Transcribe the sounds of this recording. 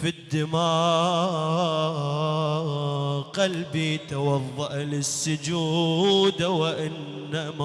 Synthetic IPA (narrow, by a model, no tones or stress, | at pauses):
fid̪ːɪmɑː | qalbit̪awɑðˤːɑʔlɪsːʊd͡ʒuːd̪wɪʔɪnː | ama